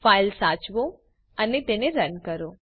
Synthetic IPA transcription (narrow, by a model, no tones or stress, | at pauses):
faːɪlsaːt͡ʃʋo | ənet̪eneɾənkəɾoː